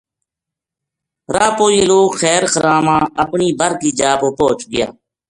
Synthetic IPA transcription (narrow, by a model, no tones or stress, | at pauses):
ɾaːpoːjiloːxɛːɾkəɾaːmãːəpɳiːbəɾkiːd͡ʒaːpoːpoːt͡ʃɡɪja̰ː